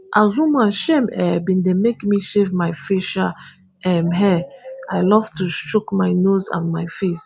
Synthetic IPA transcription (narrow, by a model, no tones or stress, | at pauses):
ʔazũmaʃɛ̃mɛbĩndemekmiʃevmajfiʃa | ɛmɦɛajlɔvtustɹokmajnozã̰nmajfes